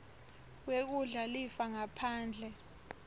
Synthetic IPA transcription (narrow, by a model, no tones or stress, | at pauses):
wek̬uɮalifaŋapʰaːnd͡ɮʱɛ